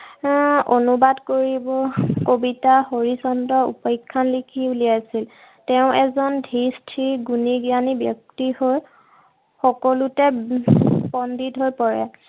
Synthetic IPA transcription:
onubadkoɹibɔkobitaɦoɹisɔntɔṵpɔjkʰːanlikʰiuliajsil | tɛʊ̃ɛzɔndʱistʰɹiɡuniɡianibjɔk̚tihoj | xɔkɔlutɛ | bɔnditɦojpɔɹɛ

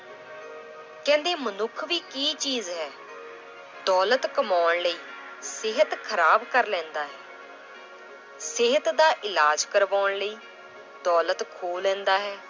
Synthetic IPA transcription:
kɛ̃ːnd̪eːmənʊkʰʋiːkiːt͡ʃiːzɦɛː | d̪ɔːlət̪kəmaːɳləiː | sɪɦət̪kʰəɾaːbkəɾlɛ̃ːnd̪aːɦɛː | sɪɦət̪d̪aːʔɪlaːd͡ʒkəɾʋaːɳləiː | d̪ɔːlət̪kʰoːlɛ̃ːnd̪aːɦɛː

